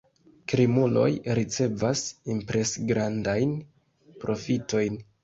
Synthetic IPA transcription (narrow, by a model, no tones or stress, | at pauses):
kɾimulo̞̰jɾit͡se̞vasimpɾe̞sɡɾandajn | pɾo̞fito̞jn